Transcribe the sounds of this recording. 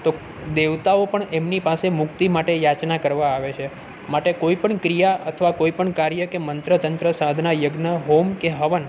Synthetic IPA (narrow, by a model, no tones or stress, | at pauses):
t̪o | d̪eʋt̪aopəɳemnipasemʊkt̪imaʈejat͡ʃnakəɾʋaːʋet͡ʃʰe | maʈekoipəɳkɾijaʔət̪ʰəʋakoipəɳkaɾjəkemənt̪ɾət̪ənt̪ɾəsãd̪ʱnajəɡnəɦomkeɦəʋən